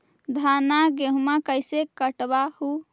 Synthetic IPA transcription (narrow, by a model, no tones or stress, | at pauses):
d̪ʱanaɡeɦumakəjsekəʈbahu